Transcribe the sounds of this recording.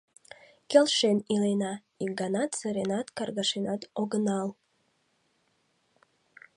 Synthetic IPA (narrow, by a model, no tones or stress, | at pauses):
kʲelʃenilenɑ | ik̚ɡɑnɑt̪sə̆ɾenɑt̪kɑrɣɑʃenɑt̪oɡənɑl